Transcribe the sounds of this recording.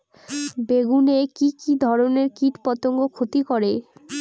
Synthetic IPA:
beɡunekikid̪ʱɔɾoneɾkiʈpɔt̪oŋɡokʰot̪ikɔɾe

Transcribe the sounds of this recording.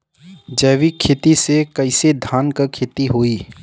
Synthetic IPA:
d͡ʒɛːʋikʰeːt̪isekɐɪsed̪ʱaːnkɐkʰeːt̪iɦoːiː

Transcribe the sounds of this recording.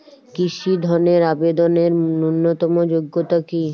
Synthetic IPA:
kiʃid̪ʱɔneɾabed̪oneɾunːot̪ɔmod͡ʑoɡːot̪aki

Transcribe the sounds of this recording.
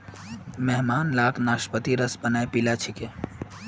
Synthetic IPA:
mɛɦmaːnlaːknaːʃʈpət̪iɾəsbənaepilat͡ʃʰike

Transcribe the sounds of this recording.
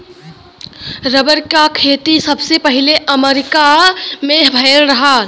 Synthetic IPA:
ɾəbəɾkakʰeːt̪isəbsepəɦileʔəmeɾɪkamẽbʱəɪlɾəɦa

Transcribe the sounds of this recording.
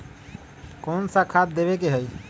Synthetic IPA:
konsakʰat̪̚d̪eβekeɦəj

